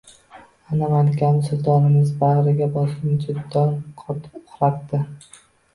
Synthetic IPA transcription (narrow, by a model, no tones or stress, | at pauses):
anamalkʲansʊlˠt̪ʰɒnɪmɪzbaʁɾɪɡʲabɒsɪnd͡ʒʊd̪ːɒnqʰɒt̪ʰɪ̥p̚qʰʊɾaqd̪ɪ